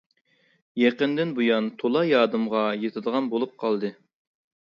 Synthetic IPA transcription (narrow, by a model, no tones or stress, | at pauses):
jeqənd̪ɪnbujɑnt̪ʰolˠɑjɑːd̪ɨmʁɑjet̪ʰɨd̪əʁɑnbolˠup̚qʰɑlˠd̪ɨ